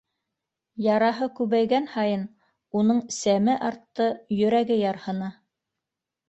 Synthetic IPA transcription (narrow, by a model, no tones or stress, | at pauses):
jɑɾɑɦɤkʉβæjɡænhɑjɤn | unɤɴsæmɘʔɑɾt̪ːɤjɵ̆ɾæɡɘjɑɾhɤ̆nɑ